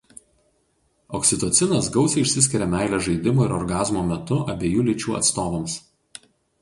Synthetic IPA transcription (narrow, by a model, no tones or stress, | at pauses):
ɔksʲɪt̪oːt̪sʲɪnɐsɡɒʊsʲɛɪʃʲsʲɪsʲkʲɪɾʲɛmʲæˑɪlʲɛʒɐɪd̪ʲɪmuːɪɾɔɾɡɑːzmoːmʲɛt̪ʊʔɐbʲeːjuːlʲɪt͡ʃʲuːɐ̰t̪st̪oːʋɐms